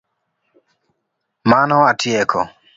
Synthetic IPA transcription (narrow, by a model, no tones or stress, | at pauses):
manɔatʰiɛkʰɔ̰